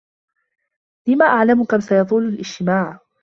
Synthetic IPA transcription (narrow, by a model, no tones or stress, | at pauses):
lɪmaːʔaʕlamkamsajɑðˤuːlalʔɪd͡ʒt̪ɪmaːʕ